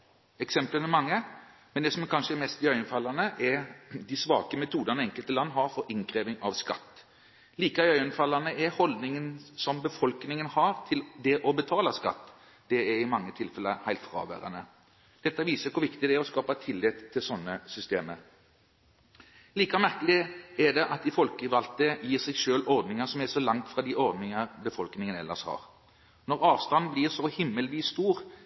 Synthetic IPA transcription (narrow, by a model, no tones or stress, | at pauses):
ɛksɛmpləmɛmɑŋːəmɛnd̪ɛsɔmɛkʰɑnʂəɛmɛst̪d̪ɪœʏənfɑlɑnəʔɛd̪ɪsʋɑ̰ːkəmɛt̪ʰuːd̪ənɛŋkəlt̪əlɑnːɦɑɾfɔɾɪŋkɾeːʋɪŋɑʋskɑ̰t̪ː | liːkəɑœʏənfɑlːɑnəɛhɔld̪nɪŋənsɔmbəfɔlknɪŋənhɑɾt̪ʰɪld̪ɛʔɔbət̪ʰɑːləskɑ̰t̪ː | d̪̥ɛɛɾɪmɑŋːət̪ʰɪlfɛləhæɪlt̪fʁɑ̰ːʋæ̰ːɾə̰nə | d̪̥ɛt̪ːɑʋiːsəkʰʊɾʋɪkt̪ɪd̪ɛæɾɔskɑːpɑt̪ʰɪlːɪt̪ʰːɪlsɔnːəsʏst̪eːməɾ | liːkɑmæʁkəlɪɛd̪ɛʔɑt̪ɪfɔlkəʋɑlt̪əjiːʁsɛɪɡʃøːlɔɾd̪nɪŋəsɔmɛsɔlɑŋt̪fʁɑd̪iʔɔɾd̪nɪŋɑʁbəfɔlknɪŋənɛ̰lːəʁshɑ̰ːʁ | nɔʁɑːʋst̪ɑnbliːʁsɔhɪmːəlʋiːsːt̪uːʁ